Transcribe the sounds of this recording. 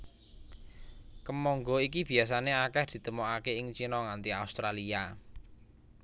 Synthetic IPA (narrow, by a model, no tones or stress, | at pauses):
kəmɔŋɡɔik̬ib̥i̤as̬aneakɛhd̪̥i̤t̪əmoakeɪŋt͡ʃinɔŋant̪iaust̪ɾalia